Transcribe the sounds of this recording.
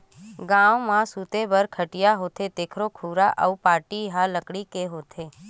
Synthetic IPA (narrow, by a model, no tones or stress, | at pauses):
ɡãʋmãsut̪ebəɾkʰəʈijaɦot̪ʰet̪eːkʰɾokʰuɾaʔə̰upaːʈiɦaləkɽikeɦot̪ʰe